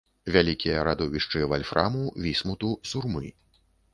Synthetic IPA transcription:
vʲalʲikʲijɐɾad̪ɔvʲiʂt͡ʂɨvalʲfɾʔa̰muvʲismut̪usurmɨ

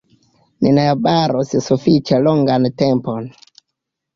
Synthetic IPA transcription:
nḭnaabaɾosisufit͡ʃeloŋɡantempon

